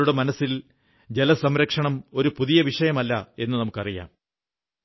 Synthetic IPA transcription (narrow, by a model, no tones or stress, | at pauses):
uɽemɐnɐsil | d͡ʑe̞lɐsɐmɾɐkʂɐɳɐmo̞ɾupuðijɐʋiʂɐjɐmɐlːɐe̞nːɨnɐmukːɐrija̰ːm